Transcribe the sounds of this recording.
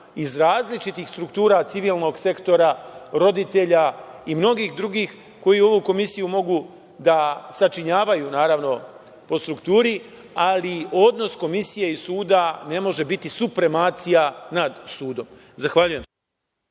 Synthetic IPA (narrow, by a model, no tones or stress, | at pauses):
izɾaːzlit͡ʃit̪ixst̪ɾukt̪uːɾat̪siʋiːlˠno̞ɡse̞kt̪o̞ɾaɾo̞d̪it̪e̞ʎaimno̞ɡiːxd̪ɾuɡiːx | ko̞jio̞ʋuːko̞misijumo̞ɡu | d̪asat͡ʃiɲaːʋajuːnaːɾaʋno̞ | po̞st̪ɾukt̪uːɾi | alio̞d̪no̞sko̞misije̞isuːd̪ane̞mo̞ʒe̞bit̪isupɾe̞maːt̪sijanad̪suːd̪o̞m | zaxʋaʎuje̞m